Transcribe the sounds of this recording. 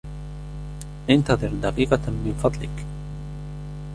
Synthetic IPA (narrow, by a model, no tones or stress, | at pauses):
ʔɪnt̪ɑðˤɨɾd̪aqiːqɑmɪnfɑðˤlɪk